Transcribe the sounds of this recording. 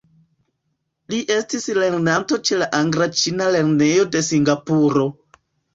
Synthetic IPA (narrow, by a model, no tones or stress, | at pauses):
liʔe̞stisle̞ɾnanto̞t͡ʃe̞laʔaŋɡɾat͡ʃinale̞ɾne̞jo̞de̞siŋɡapuɾo̞